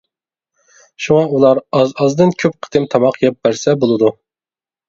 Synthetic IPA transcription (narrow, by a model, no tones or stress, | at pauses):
ʃuŋɑulˠɑɾɑzɑzd̪ɨnkʲʰøp̚qʰə̥t̪ɨmt̪ʰɑmɑqʰjɛp̚bæɾsɛbolˠɨd̪u